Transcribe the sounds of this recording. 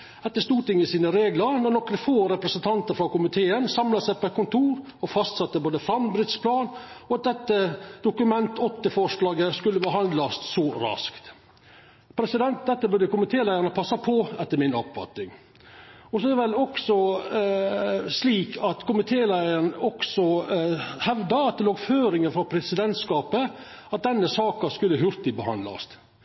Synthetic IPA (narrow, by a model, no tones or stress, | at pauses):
ɛt̪ːəʂt̪uːʈ̪ɪŋːəsiːnəɾeːɡləɾnɔnɔkːɾəfoːɾɛpɾəsənt̪ʰɑnt̪əɾfɾɑkʊmɪt̪ʰeːənsɑmlɑsæɪpɔɛt̪̚kʰʊnt̪ʰuːɾ | ɔfɑst̪sɑt̪ːəboːd̪əfɾɑmbɾɪt̪spʰlɑːnɔɑt̪̚d̪ɛt̪ːəd̪̥ʊkʉmɛnt̪ɔt̪ːəfɔʂlɑːɡəskʉlːəʋɑːɦhɑnd̪lɑst̪sɔɾɑ̰skt̪ | pʰɾɛsɪd̪ɛnt̪̚d̪ɛt̪ːəbʉd̪əkʊmɪt̪ʰeːlæɪəɾɳəpʰɑsːɑpʰɔɛt̪ːəɾmɪnɔpfɑ̰t̪nɪŋ | ɔsɔɛd̪ɛʋɛlɔksɔ | sliːkʰɑt̪kʰʊmɪt̪ʰeːlæɪəɳɔksɔ | hɛʋd̪ɑɑt̪̚d̪ɛloːɡføːɾɪŋəfɾɑpʰɾɛsɪd̪ɛnt̪skɑːpə | ɑt̪̚d̪ɛnːəsɑːkɑskʉlːəɦʉɾt̪ɪbəhɑ̰nd̪lɑ̰st̪